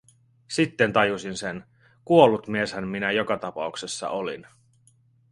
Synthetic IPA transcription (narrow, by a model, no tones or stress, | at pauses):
sit̪ːe̞nt̪ɑjusinsen | kuo̞lːut̪mie̞shænminæjokɑt̪ɑpɑ̰uksesːɑ̰ʔolḭn